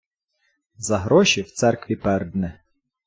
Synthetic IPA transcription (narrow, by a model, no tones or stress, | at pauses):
zɐɦɾɔʃiwt̪sɛrkʋʲipɛrd̪nɛ